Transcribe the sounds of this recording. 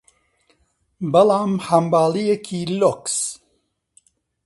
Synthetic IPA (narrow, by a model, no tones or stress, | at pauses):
bɐlaːmhɐmbaːlijekʰiloks